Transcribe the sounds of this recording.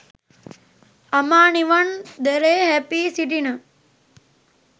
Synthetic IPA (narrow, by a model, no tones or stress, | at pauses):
ɐmaːniʋɐnd̪eɾeːɦepiːsiʈinɐ